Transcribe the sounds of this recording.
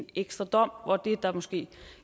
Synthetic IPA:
neɡ̥sd̥ʁɐd̥ɒ̽m̰ʋɒd̥e̝d̥ɑ̈mɒ̽sɡ̥e̝̰ː

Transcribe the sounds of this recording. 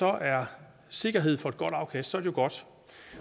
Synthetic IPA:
sɒ̽ʔæɐ | se̝ɡ̥ɐɦe̝ð̞̰ˠfɒ̽e̝d̥̚ɡ̥ɒ̽d̥ɑ̈ʊkʰæsd̥sɒ̽ɐɾe̝jo̝ɡ̥ɒ̽d̥

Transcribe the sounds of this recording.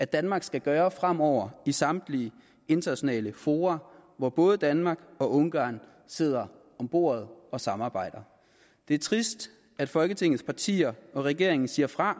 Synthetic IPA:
æ̥d̥ænmɑ̈ːɡ̥sɡ̥æɡ̥ɶːɐfʁam̰ɒʊ̰ɐisɑ̈md̥liə | e̝nd̥ɐnæɕo̝nɛ̰ːləfo̝ːʁɑʋɒb̥ɔ̽ːð̞ˠəd̥ænmɑ̈ɡ̥ɒ̽ʔɔ̽ŋɡ̥ɑ̰̈ːn | se̝ð̞̰ˠɐ | ɒ̽mb̥o̝̰ːɐð̞̩ˠɒ̽sɑ̈mɑ̈ːb̥ɑ̈ɪ̰d̥ɐ | d̥e̝æɐt͡sʰʁisd̥ | æ̥fɒ̽lɡ̥ət͡sʰe̝ŋ̰ð̩ˠspʰɑ̈t͡sʰḭːɐɒ̽ʁɛɡ̥e̝ɐeŋn̩siɐfʁɑ̈

